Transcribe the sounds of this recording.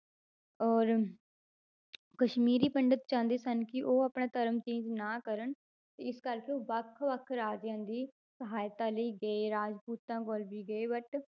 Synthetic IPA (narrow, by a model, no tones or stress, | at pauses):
ɔːɾ | kəʃmiːɾiːpəɳɖət̪t͡ʃãːnd̪eːsənkɪʔoːapɳãːt̪əɾəmt͡ʃiːd͡ʒnãːkəɾəɳ | t̪eːɪskəɾkeoːbəkʰʋəkʰɾaːd͡ʒãːnd̪iː | səɦaːjt̪aːləiːɡəeːɾaːd͡ʒpuːt̪ãːkoːlbiːɡəeːʋəʈ